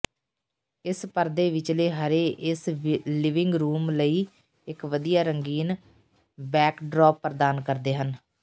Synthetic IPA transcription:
ɪspəɾd̪eːʋɪt͡ʃleːɦəɾeːʔɪslɪʋɪŋɡɾuːmləiː | ɪkʋəd̪ijaːɾəŋɡiːn | bɛːkɖɾɔːpːəɾd̪aːnkəɾd̪eːɦən

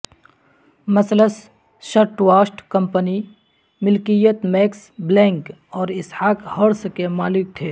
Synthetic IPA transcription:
mɐsləs | ʃɐɾʈwaːsʈkɐmpəni | mɪlkijət̪mɛːksblɛ̃ːŋkɔːɾɪshaːkhəɽskemaːlɪk̚t̪ʰeː

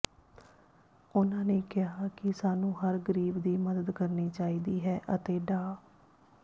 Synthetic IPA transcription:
ʊnãːneːkɪɦaːkɪsaːnũːɦəɾɡəɾiːbd̪iːməd̪əd̪kəɾniːt͡ʃaːiːd̪iːɦɛːʔət̪eːɖaː

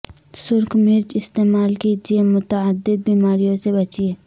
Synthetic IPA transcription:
sʊɾkʰmɪɾd͡ʒɪst̪eːmaːlkid͡ʒiemʊt̪əəd̪ːɪd̪̚biːmaːɾijõsebɐt͡ʃieː

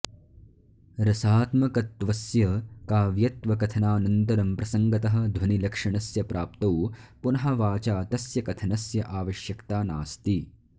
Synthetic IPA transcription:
ɾɐsaːt̪mɐkɐt̪ʋɐsjɐkaːʋjɐt̪ʋɐkɐt̪ʰɐnaːnɐnt̪ɐɾɐmpɾɐsɐŋɡɐt̪ɐɦɐ̆d̪ʱwɐnilɐkʂɐɳɐsjɐpɾʔaːp̚t̪ɐwpunɐɦɐʋaːt͡ʃaːt̪ɐsjɐkɐt̪ʰɐnɐsjɐʔaːʋɐʃjɐkt̪aːnaːst̪i

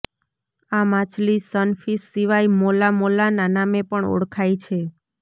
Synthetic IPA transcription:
amat͡ʃʰlisənfisːiʋajmolamolananamepəɳɔ̰ɽkʰajt͡ʃʰe

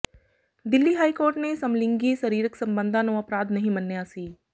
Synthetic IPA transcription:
d̪ɪlːiɦaːikoːɾʈnesɐmlɪ̃ŋɡisɐɾiːɾəksɐ̃mbə̃nd̪ʱãnoɐpɾaːd̪nɐɦĩmɐnːjaːsiː

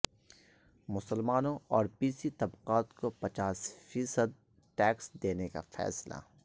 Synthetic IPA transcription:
mʊsəlmaːnõɔːɾpiːsit̪ɐbqaːt̪kopɐt͡ʃaːsfiːsəd̪̚ | ʈɛːksd̪eːneka̰fɛ̰ːsla̰

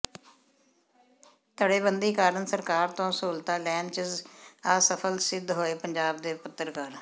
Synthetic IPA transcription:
t̪əɽeːbənd̪iːkaːɾənsəɾkaːɾt̪õːsoːlt̪aːlɛːnt͡ʃəzaːsəpʰəlsɪd̪ɦoːeːpəɲd͡ʒaːb̚d̪eːpʊt̪ːəɾkəɾ

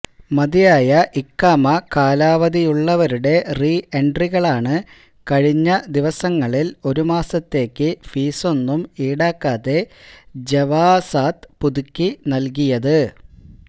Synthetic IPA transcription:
mɐðijaːjɐʔikːaːmɐkaːlaːʋɐðijuɭːɐʋɐɾuɽe̞rieɳɖriɣɐɭaːɳɨ | kɐɻiɲːɐd̪iʋɐsɐŋːɐɭilo̞ɾumaːsɐt̪ːe̞ːkːɨfiːso̞nːumiːɽaːkːaːðe̞d͡ʑeʋaːsaːt̪puðukʲːinɐlk̬ijɐðɨ

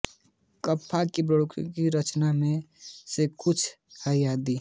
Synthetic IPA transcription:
kəpʰːakipɾəɽukʰkiɾət͡ʃnamẽsekʊt͡ʃʰ | həjjad̪i

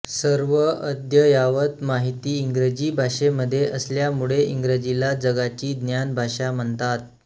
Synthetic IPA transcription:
səɾʋəəd̪jəjaʋət̪maɦit̪iːŋɡɾed͡ʑiːbʱaʂeməd̪ʱːjeʔəsljamuɭeiŋɡɾed͡ʑilad͡zəɡat͡ɕiːd̪njanbʱaʂam̤əɳt̪at̪̚

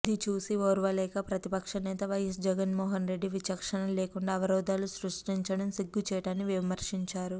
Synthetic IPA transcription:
d̪it͡ʃuːsioːɾʋɐlɛːkɐpɾɐt̪ipɐkʂɐnɛːt̪ɐʋɐjɐsd͡ʒɛɡɐnmɔːɦɐnɾe̞ɖːiʋit͡ʃɐkʂɐɳɐleːkuɳɖaːʋɐɾɔːd̪aːlusɾuʂʈiɲt͡ʃɐɽɐmsiɡːut͡ʃɛːʈaːnːiʋimɐɾʂiɲt͡ʃaːɾu

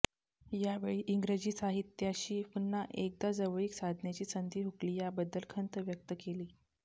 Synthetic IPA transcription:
jaʋeɭiːʔiŋɡɾed͡ʑiːsaɦit̪ːjaɕiːhunːaʔek̚d̪ad͡zəʋəɭiksad̪ʱnjat͡ɕiːsənd̪ʱiːɦukliːjabəd̪əlkʰənt̪əʋjək̚t̪əkeliː

